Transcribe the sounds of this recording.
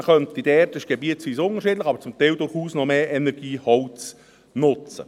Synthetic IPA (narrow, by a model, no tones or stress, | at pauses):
χœnt̪idɛtɪʃɡ̥ebiːətt͡sʋiːsʊnəɾʃiːdlɪxɑbəɾt͡sʊmt̪ɛɪldʊɾχuːsnɔmeːʔɛnɛɾɡ̥iːhɔlt͡s | nʊt͡sə̰